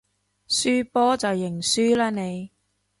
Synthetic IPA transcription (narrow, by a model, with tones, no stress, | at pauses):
syː˥pɔː˥t͡sɐ˨wjɪ˨˩ŋsyː˥laː˥ne˨˧j